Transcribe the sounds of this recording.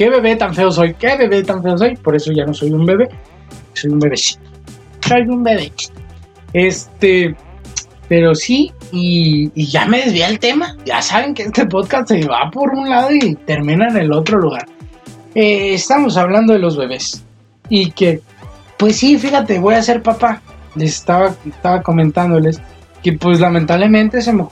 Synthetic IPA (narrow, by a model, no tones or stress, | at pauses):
ke̞βe̞βe̞t̪aɱfe̞os̬o̞jke̞βe̞βe̞t̪aɱfe̞os̬o̞jpo̞ɾe̞so̞ʝano̞so̞jumbe̞βe̞̥ | so̞jumbe̞βe̞si̥t̪o̥ | sojumbe̞βe̥ | est̪e | pe̞ɾo̞siː | ʝame̞ð̞ezβjeelt̪e̞maʝa̰saβe̞ŋkeest̪e̞p̬o̞ðkast̪seβa̰po̞ɾunlað̞o̞it̪e̞ɾmĩnaene̞lo̞t̪ɾo̞luɣaɾ | eːst̪aβmo̞s̬aβland̪o̞ðe̞lo̞zβe̞βe̞s | ike̞ | pwe̞sːifixat̪e̞βo̞jase̞ɾpapalese̥st̪aβaest̪aβako̞mẽnt̪and̪o̞le̞s | ke̞pwe̞zlamẽnt̪aβle̞mẽnt̪e̞s̬emo